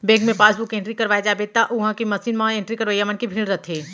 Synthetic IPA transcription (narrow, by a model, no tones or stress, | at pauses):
beːɡmẽpaːsbukẽɳʈɾikɐɾʋaːjed͡ʒaːbet̪aʔʊɦãkimɐsiːnmãẽɳʈɾikɐɾʋəjamənkibʱiːlɾɐt̪ʰeː